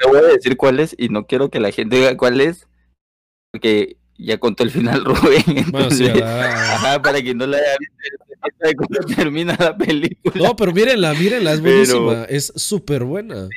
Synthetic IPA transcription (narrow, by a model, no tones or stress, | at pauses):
t̪eβojaðe̞siɾkwale̞sino̞kje̞ɾo̞ke̞laxe̞nt̪e̞βiɣakwale̞s | po̞ɾke̞ | ʝako̞nt̪o̞elfinalruβeŋentonsesa̰xapaɾak̬enːo̞laaʝaβist̪oeeet̪aðek̬ond̪ot̪ʰeɾmĩnalapelik̚uloape̞ɾomiɾenlamiɾenlaezβweɾomaesːupeɾβwe̞na̰